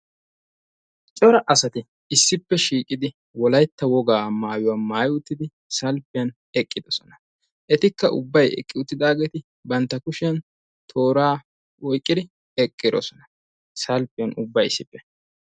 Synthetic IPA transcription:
t͡ʃʼɔɾɐʔɐsɐt̪ɪ | ɪsːɪpːɛʃiːkʼɪd̪ɪ | wɔlɐjt̪ːɐwɔɡaːmaːjʊwaːmaːjʊt̪ːɪd̪ɪ | sɐlpɪjɐn | ɛkʼːɪd̪ɔsɔnɐ | ʔɛt̪ɪkːɐʔʊbːɐjɛ̰kʼːɪʊt̪ːɪd̪aːɡeːt̪ɪ | bɐnt̪ːɐkʊʃɪjɐn | t̪ʰo̞ːɾaː | wɔjkʼːɪd̪ɪ | ɛkʼːɪd̪ɔ̰sɔnɐ̥ | sɐlpɪjɐnʔʊbːɐjɪsːɪpːɛ̥

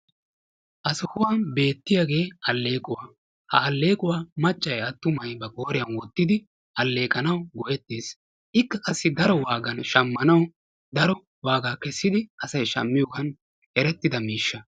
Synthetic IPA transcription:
ʔɐsʊhʊwaːnbe̞ːt̪ːɪjaɡe̞ːʔɐlːe̞ːkʼʊwaː | hɐ̰ːlːe̞ːkʼʊwaːmɐt͡ʃʼːɐjɐt̪ːʊmɐjbɐkʼo̞ːɾɪjɐnwɔt̪ːɪd̪ɪ | ʔɐlːe̞ːkʼɐnɐwɡɔjɛt̪ːiːs | ʔɪkːɐkʼɐsːɪd̪ɐɾɔwaːɡɐnʃɐmːɐnɐw | d̪ɐɾɔ | waːɡaːkɛsːɪd̪ɪɐsɐjʃɐ̰mːɪjɔkɐn | ɛɾɛt̪ːɪd̪ɐmiːʃːɐ

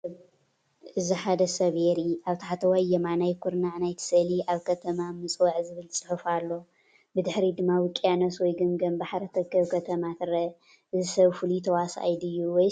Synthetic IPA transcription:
ʔɨziħad̪ɐsɐβheɾiaβt̪ʰaħat̪ʰɐwajɐmanajkʰuɾnaʕnajt̪ʰɨ̥sɐliʔaβkʰɐt̪ʰɐmamɨt͡sʼwɐʕzɨβɨlsʼɨħɨfalːo̞ | bɨd̪ɨħɾid̪ɨmːawɨkʼjanoswɔjɡɨmɡɐmbaħɾɐt̪ʰɐβkːɐβkʰɐt̪ʰɐmat̪ʰɨɾɐ | ʔɨzisɐβfɨlut̪ʰɐwasa̰jd̪ɨjːuwɔj

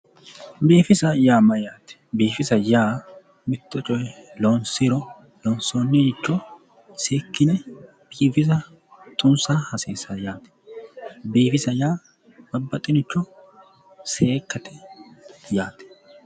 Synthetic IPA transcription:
biːfɪsɐjaːmɐjaːt̪ɛ̥biːfɪsɐjaː | mɪt̪ːɔt͡ʃʼɔjɛloːnsɪɾɔ | loːnsoːnːenɪt͡ʃːɔ | seːkːɪnɛ | b̥iːfɪs̬ɐ | t̪ʼʊnsaːhɐseːsɐjaːt̪ɛ̥ | biːfɪsɐjaː | bɐbːɐt̪ʼːɪnɪt͡ʃːɔ | seːkːɐt̪ʰɛ | jaːt̪ɛ̥

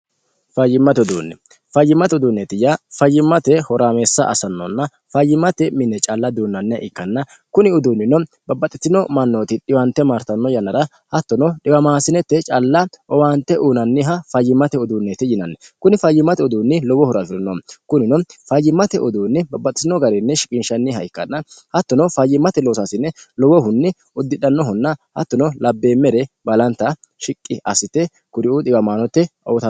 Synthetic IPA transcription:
fɐjːɪmːɐt̪ɛɔd̪ṵːnːɛ | fɐjːɪmːɐt̪ɛɔd̪uːnːɛt̪ɪjafɐjːɪmːɐt̪ɛhɔɾaːmeːsːɐ̰ʔɐ̰sɐnːɔ̰nːɐ | fɐjːɪmːɐt̪ɛmɪnːɛt͡ʃʼɐlːɐd̪uːnːɐnːɪɐ̰ʔɪkːɐnːɐ | kʊnɪɔd̪uːnːɪnɔ | bɐbɐt̪ʼɪt̪ːɪnɔmɐnːoːt̪ɪɗɪwɐnt̪ːɛmaɾt̪ɐnːɔjɐnːɐɾɐ | hɐt̪ːɔnɔɗɪwɐmaːsɪnɛt̪ːɛt͡ʃʼɐlːɐɔwant̪ːɛʔuːnɐnːɪɦɐfɐjːɪmːɐt̪ɛɔd̪uːnːɛt̪ːɛjɪnɐnːɛkʊnɪfɐjːɪmːɐt̪ɛɔd̪uːnːɪlɔwɔhʊɾɐfɪɾɐnːɔmkʊnɪnɔfɐjːɪmːɐt̪ɛʔɔd̪uːnːɪbɐbːɐt̪ʼɪ̥sɪnːɔɡɐɾɛnːɛʃɪkʼɪnʃɐnːɪɦɐ̰jkːɐnɐnhɐt̪ːɔnɔfɐjːɪmːɐt̪ɛloːsasɪnːɛlɔwɔɦʊnːɪ | ʊd̪ːɪɗɐnːɔɦɔnːɐhɐ̰t̪ːɔnɔlɐbːeːmːɛɾɛbɐlɐnt̪ːɐ | ʃɪkʼːɪʔɐsɪt̪ːɛ | kʊɾɪud̪ɪbɐmaːnɔt̪ːɛɔːt̪ɐ

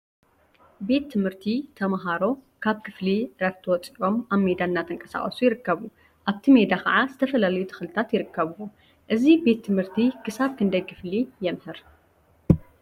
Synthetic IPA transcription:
be̞t̪ːɨmhɨɾt̪ʰit̪ʰɐmɦaɾo̞kʰaβkʰɨfliɾɐβt̪ʰɐwɔt͡sʼiʔo̞maβme̞d̪anːat̪ɨŋkʼɐ̥sa̰χʼɐsujɪɾɨkːɐβu | ʔaβt̪ʰime̞d̪akʰɐ̰ʕazɨt̪ʰɐfɐlalɐjut̪ʰɨ̥xɨlɨt̪ʰat̪jɪɾɨkːɐβuwo | ʔɨzibe̞t̪ʰːɨmhɨɾt̪ʰikʰɨsaβkʰɨnd̪ɐjkʰɨflijɛmhɨɾ

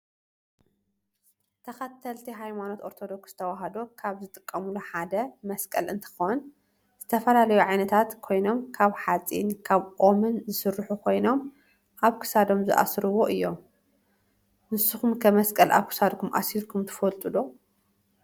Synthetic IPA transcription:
t̪ʰɐxɐt̪ʰɐlt̪ʰiɦajmano̞t̪ʔoɾt̪ʰo̞d̪o̞ksɨ̥t̪ʰɐwaɦɐd̪okʰaβzɨt̪ʼɨkʼːɐmuluħad̪ɐmɐskʼɐlɨnt̪ʰɨ̥xown | z̥ɨt̪ʰɐfɐlalɐjuʕajnɐt̪ʰat̪kʰo̞jno̞mkʰaβħat͡sʼḭnkʰaβʔʼomɨnzɨsɨɾːħukʰo̞jno̞m | ʔaβkʰɨ̥sad̪o̞mzɨʔa̰sɾɨwo̞ʔɨjːo̞m | nɨsuxumkʰɐmɐskʼɐlʔa̰βkʰɨ̥sad̪kʰumʔa̰silkʰumt̪ʰɨ̥folt̪ʼulo

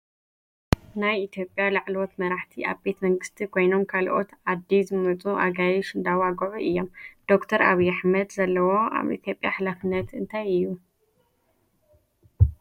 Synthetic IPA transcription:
najit̪ʰjo̞pʼjalaʕlwot̪mɐɾaħt̪ʰiʔaβbe̞t̪ʰmɐŋɡɨst̪ʰikʰo̞jno̞mkʰalʔo̞̰t̪ʕad̪ːizɨmɐt͡sʼuʔa̰ɡajɪʃɨnd̪awaɡuʕuʔɨjːo̞md̪̥o̞kt̪ʰɐɾa̰βijaħmɐd̪zɐlːɐwoa̰βḭt̪ʰjo̞pʼjaħlafɨnːɐt̪ɨnt̪ʰajɨjːu

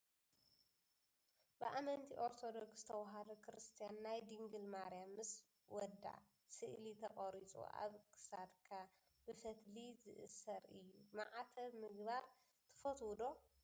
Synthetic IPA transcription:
b̥ɨʔamɐnt̪ʰiʔo̞ɾt̪ʰod̪okst̪ʰɐwɦad̪ɐkʰɾɨst̪ʰijanːajd̪iŋɡɨlmaɾijamːɨs | wɔd̪a̰ | sɨʔlit̪ʰɐχʼɐɾit͡sʼṵʔa̰βkʰɨ̥sad̪kʰa | b̥ɨfɐt̪lizɨ̰ʔɨ̰sɐɾɨjːumaʕat̪ʰɐβmɨɡbaɾ | t̪ʰɨ̥fɐt̪wd̪o̞

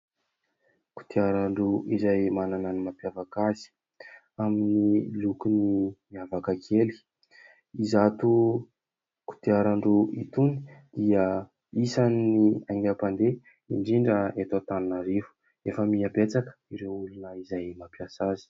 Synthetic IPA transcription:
ku̥t̪iaɾaɳɖ͡ʐuizajmanananimapjavakazi̥ | aminilukunimiavakakʰeli̥ | izat̪u | ku̥t̪iaɾaɳɖ͡ʐuit̪uni̥d̪̥iə | isannːiaŋɡapand̪e | ḭɳɖ͡ʐiɳɖ͡ʐəet̪at̪annaɾiɦu̥ | efəmiabet͡sakə̥iɾeulunəizajmapiasazi̥

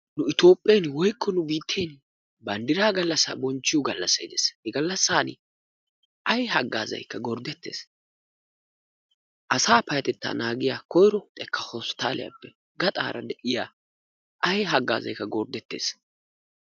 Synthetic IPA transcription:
nʊɪt̪o̞ːpʼːɛjnwɔjkːɔnʊbiːt̪ʰːejn | bɐnd̪ɪɾaːɡɐlːɐsːa̰bɔnt͡ʃːɪjʊɡɐlːɐsːɐjɪd̪eshɛɡɐlːɐsːaːn | ʔɐjhɐɡːaːzɐ̰jkːɐɡɔɾd̪ɛt̪ːe̞̰ːs | ʔɐsaːpɐjɐt̪ɛt̪ːa̰ːnaːɡɪjakɔjɾɔt̪ʼɛkːɐhɔst̪aːlɪ̰jɐ̰pːɛ | ɡɐt̪ʼa̰ːɾʔɐd̪ɛʔɪjaː | ʔɐjɦɐɡːa̰ːzɐ̰jkːɐɡɔɾd̪ɛt̪ːe̞̰ːs

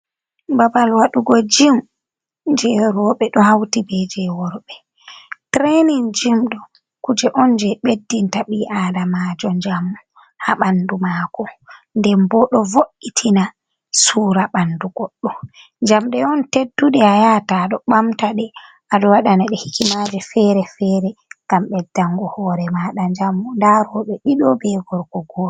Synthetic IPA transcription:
babalwaɗuɡɔd͡ʒim | d͡ʒɛɾɔɓɛɗɔhawtibɛd͡ʒɛwɔɾɓɛ | tɾenind͡ʒimɗɔ | kud͡ʒɛʔɔnd͡ʒɛɓedːintaɓiʔaːdamad͡ʒɔnd͡ʒamːu | haɓandumaːkɔndɛmbɔɗɔvoʔːitʰina | suːɾaɓanduɡɔɗːɔ | nd͡ʒamɗɛɔntedːuɗɛajataɗɔɓamtaɗɛ | aɗɔwaɗanaɗɛhi̥kimad͡ʒɛfɛɾɛfɛɾɛŋɡ̥amɓɛdːaŋɡɔhɔːɾɛmaɗand͡ʒamːundaɾɔɓɛɗiɗɔbɛɡɔɾkɔɡɔ

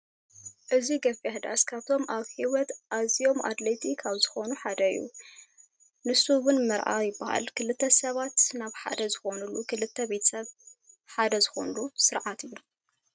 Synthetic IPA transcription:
ʔɨziɡɐfɐhd̪a̰skʰaβt̪ʰo̞mʔaβhiwɔt̪ʔazijo̞mʔa̰t̪let̪ʰikʰaβzɨxo̞nuħad̪ɐɨ̰jːṵ | nɨsuwʊnmɨɾʔa̰jɪbːaha̰lkʰɨlɨt̪ʰːɐsɐβat̪naβħa̰d̪ɐzɨxonulukʰɨlɨt̪ʰːɐbet̪ʰɐ̥sɐβ | ħad̪ɐzɨxo̞nulusɨɾʕat̪ʰɨjːu

